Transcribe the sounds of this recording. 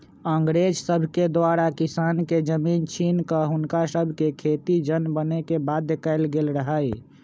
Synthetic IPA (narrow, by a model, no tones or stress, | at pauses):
əŋɡɾed͡ʒsəbʱked̪waɾakisanked͡ʒəmint͡ʃinkəɦunkasəbʱkekʰet̪id͡ʒənbənekebad̪ːekaɪlɡelɾəɦəj